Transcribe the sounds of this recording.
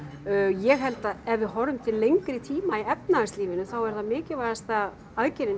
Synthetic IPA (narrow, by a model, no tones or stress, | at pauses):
jɛɣɦɛlt̪aðɛvɪɦɔɾʏmt̪ʰɪllːejŋkɾɪt̪ʰiːmaiɛp̚naasliːvɪnʏθawɛɾ̥θaðmɪːcɪvaɾast̪a | aðcɪɾɪn